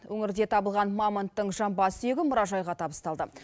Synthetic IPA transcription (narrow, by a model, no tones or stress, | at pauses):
wɵŋɪɾd̪e̞t̪ʰɑbəlˠʁɑnmɑmənt̪ːəɴʒɑmbɑsəeɡʲɪmʊɾɑʒɑjʁɑt̪ʰɑbəst̪ɑlˠd̪ə